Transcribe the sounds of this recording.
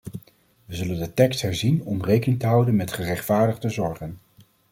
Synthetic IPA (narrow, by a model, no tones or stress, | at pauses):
ʋəzɵləndətɛkstɦɛɹzinɔmrejkənɪŋtəɦʌwdənmɛtχərɛχtfaːɹdəχdəzɔɹχən